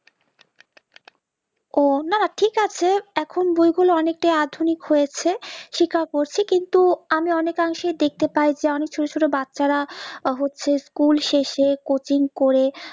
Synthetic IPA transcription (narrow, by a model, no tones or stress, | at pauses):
onaaʈʰikat͡ɕʰeɛkʰonbojɡuloɔnek̚ʈajad̪ʱunikhojet͡ɕʰeʃikʰaɾkoɾt͡ɕʰikint̪uamiɔnekaŋʃejd̪ek̚t̪epajd͡ʑeɔnek̚t͡ɕʰoʈot͡ɕʰoʈobatːɕaɾaɦotːɕʰeskulʃeʃekot͡ɕiŋkoɾe